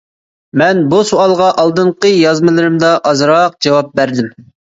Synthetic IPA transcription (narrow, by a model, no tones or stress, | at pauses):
mɛnbusoɑlˠʁɑʔɑlˠd̪ɨɴqəjɑzmɨlˠɨɾɨmd̪ɑʔɑzɾɑq̚d͡ʒɑwɑp̚bæɾd̪ɪm